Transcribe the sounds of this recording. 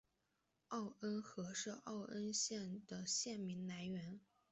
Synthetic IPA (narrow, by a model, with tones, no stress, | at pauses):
ɑ˥˩ʊə˥nxɤ˧˥ʂɻ̩˥˧ʔɑ˥˩ʊʔə˥nɕjɛ˥˩nd̪̥ə˩ɕjɛ˥˩nmi˧˥ŋla˧˥ɪɥɛ˧˥n